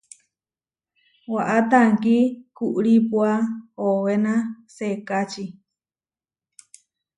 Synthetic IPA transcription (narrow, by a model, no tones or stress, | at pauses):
waʔat̪aŋkikuʔɾipuaowenasekat͡ʃi